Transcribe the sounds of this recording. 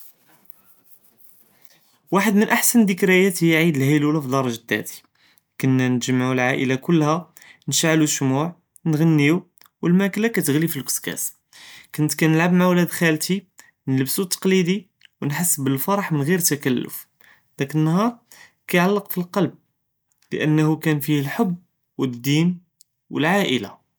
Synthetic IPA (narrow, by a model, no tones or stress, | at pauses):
waħəd̪mənʔaħsənd̪əkɾæjæt̪ijʕid̪əlhəlulafid̪ɑɾˤɑʒd̪ːæ̰t̪i̥ | kʊnːænʒəmʕulʕaʔəlakʊlːhæ | nʃʕluʃmuʕ | nɣənːiu | wəlmæklakæt̪əɣlifilkʊ̥skæ̰s | kʊnt̪kænəlʕabmaʕwlæd̪xælt̪i | nələbsut̪ːɑ̥qlid̪i | wnħasːbəlfɑɾˤɑħmənɣiɾt̪ækælːʊ̰f | d̪ækənːɑhɑɾˤ | kæjʕalːəqfilqɑlb̚ | lə̰ʔənːhukænfihəlħobː | wəd̪ːim | wəlʕaʔəla̰